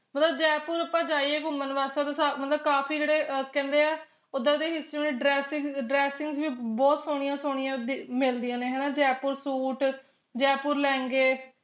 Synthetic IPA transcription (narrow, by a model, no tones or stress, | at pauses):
mət̪ləbd͡ʒɛːpʊːɾəpãːd͡ʒaːiːeːɡʊmːənʋaːst̪ad̪aːsamət̪ləb̚kaːpʰiːd͡ʒeːɽeːʔkɛ̃ːnd̪eːɛː | od̪aːd̪eːɦɪstɾĩnɖɾɛːsɪŋɖɾɛːsɪŋɡsʋiːbɔːt̪soːɽ̃ɪjãːsoːɽ̃ɪjãːd̪mɪld̪ijãːnẽːɦɛːnaːd͡ʒɛːpʊɾsuːʈ | d͡ʒɛːpʊːɾlɛ̃ːŋɡeː